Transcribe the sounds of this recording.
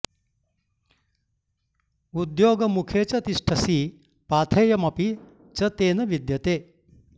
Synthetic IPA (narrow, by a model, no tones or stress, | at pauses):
ud̪joːɡəmukʰet͡sɐt̪iʂʈʰɐsiː | paːt̪ʰejɐmɐpi | t͡sɐt̪eːnɐʋid̪jɐt̪eː